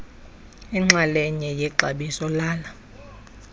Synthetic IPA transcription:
ɛŋ͡ǁalɛɲɛjɛǃaɓisɔlaːla

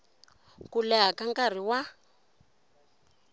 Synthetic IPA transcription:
kulɛɦakaŋɡkar̤iwa

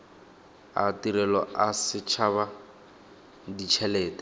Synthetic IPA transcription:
a̰tiɾɛlɔasɪt͡ʃʰaβa | dit͡ʃʰɛlɛːtɛ̥

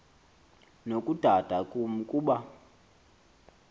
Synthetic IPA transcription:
nokʼud̥ʱad̥ʱakʼumukʼuːɓa

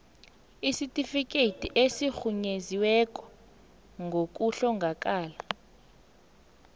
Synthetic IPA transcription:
isitʼifik̬ʼetʰʼiʔesixuɲeziwɛk̬ʼɔ̥ | ŋɡʱok̬ʼuɬɔŋɡʱak̬ʼaːla

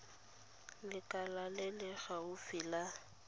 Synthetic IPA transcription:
lɪkʼalalɪlɪɣaʊfɪla

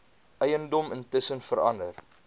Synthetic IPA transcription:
ʔɛjəndɔməntəsənfəɾɐ̰ndər

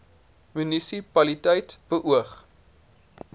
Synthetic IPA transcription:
mynisipɐlitəjtb̥əʔuəχ

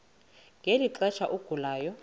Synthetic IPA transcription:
ŋʱeliǃɛt͡ʃʰaʔuɡ̥ʱulaːjɔ

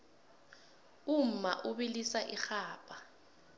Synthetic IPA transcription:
um̩ma̰ʔuɓilisaʔixaːpʼa

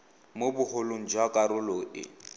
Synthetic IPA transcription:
mobʊhʊloŋ̩d͡ʒwakʼaɾʊloɪ̰

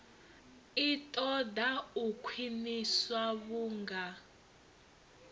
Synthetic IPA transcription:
itʼɔdaukʰwiniswaβuːŋɡa

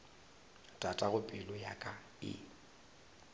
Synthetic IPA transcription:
d̥ʼatʼaɣʊpʼɪlʊjakʼa | ɪ̰

